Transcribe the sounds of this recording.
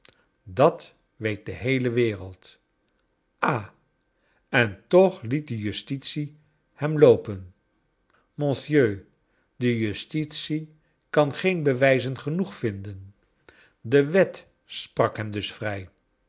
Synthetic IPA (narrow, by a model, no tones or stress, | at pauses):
dɑt | ʋejt̚dəɦejləʋɪːrə̰lˠt | ʔaː | ɛntɔχlit̚dəjystitsi | hɛmlowpən | mɔ̃nsjøː | dəjystitsi | kɑnχejnbəʋɛjzənχənuχfɪndən | dəʋɛt | sprɑkɦɛmdɵsfrɛj